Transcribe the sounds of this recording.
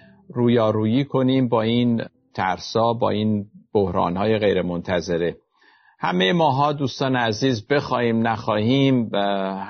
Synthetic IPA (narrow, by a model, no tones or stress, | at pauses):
ruːjɒːɾuːjiːkʰo̞niːmbɒːiːn | t̪ʰæɾsɒːbɒ̰ːiːnb̥ohɾɒ̰ːnhɒːje̞ɣejɾemont̪ʰæze̞ɾe | hæ̰mejemɒːɦɒːd̪uːst̪ɒːneæziːzbe̞xɒːhiːmnæxɒːhiːm